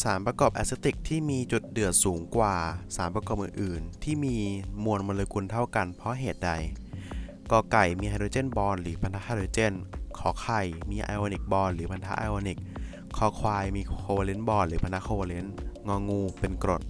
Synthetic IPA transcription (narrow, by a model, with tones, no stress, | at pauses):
saː˩˦mpɾa˧kɔː˨˩pʔɛ̰˧˥se˦˥t̪i˨˩k̚t̪ʰiː˥˩miː˧t͡ɕu˨˩t̪̚dɯ˨˩ət̪̚suː˩˦ŋkwaː˨˩saː˩˦mpɾa˧kɔː˨˩p̚ʔɯ̰˨˩nʔɯː˨˩nt̪ʰiː˥˩miː˧mu˧ənmɔ˧leː˧kʰu˧nt̪ʰa˥˩wka˧npʰɔ˦˥ɦeː˨˩t̪̚da˧j | kɔː˧˩ka˨˩jmiː˧ha˧ɾoː˧t͡ɕe˥˩˨nbɔː˧nɾɯː˩˦pʰa˧nt̪ʰa˦˥haː˧doː˧t͡ɕe˥˩nkʰɔː˨˩˦kʰa˨˩jmiː˧ʔa̰ː˧jʔoː˧ni˨˩k̚bɔː˧nɾɯː˩˦pʰa˧nt̪ʰa˦˥ʔa̰ː˧ʔoː˧ni˨˩k̚ʰː | ɔː˧˩kʰwaː˧jmiː˧kʰoː˧wa˧le˦˥nbɔː˧nɾɯː˩˦pʰa˧nt̪ʰa˦˥kʰoː˧waː˧le˦˥nŋɔː˧ŋːuː˧pe˧nkɾo˨˩t̪̚